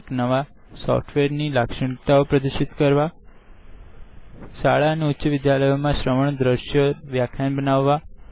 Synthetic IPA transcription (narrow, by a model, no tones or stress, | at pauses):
knəʋa | sɔ̰fʈʰʋeɾnilakʂəɳt̪aopɾəd̪əʃit̪kəɾʋa | ʃaɭaəneʊtːʃəʋɪd̪jaləjomãʃɾəməɳd̪ɾəʃjoʋjakʰjanbənaʋːa